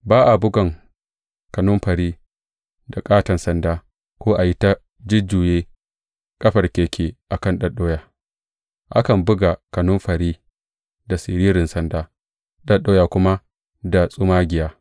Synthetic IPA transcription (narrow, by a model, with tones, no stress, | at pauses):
baː˦ʔa˨bʊ˦ɡɐ˨ŋ | kɐ˨nʊ˦mɸɐ˨ɾiː˦ | da˨kʼaː˦tɐ˨nsɐ˦ndaː˦ | kʷoː˦ʔa˨ji˦ta˦ | d͡ʒɪ˦d͡ʒuː˨jeː˦ | kʼɐ˦ɸɐ˨rkʲeː˨kʲeː˨ʔa˨kɐ˦nɗɐ˨ɗoː˦jaː˨ | ʔa̰˦kɐ˨mbʊ˦ɡa˨kɐ˨nʊ˦mɸɐ˨ɾiː˦ | da˨sɪ˨ɾiː˦ɾɪ˨nsɐ˦ndaː˦ | ɗɐ˦ɗoː˦jaː˨kʷʊ˦ma˦ | da˨sʼʊ˦maː˦ɡʲɪ˨jaː˦